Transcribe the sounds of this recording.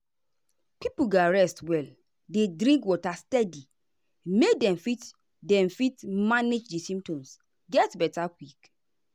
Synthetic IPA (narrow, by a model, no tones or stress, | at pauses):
pipuɡaɹɛstwɛl | dedɾĩŋkwɔtastɛdi | medɛ̃mfit | dɛ̃mfitmaned͡ʒdisĩmtɔ̃ms | ɡɛtbɛtakwik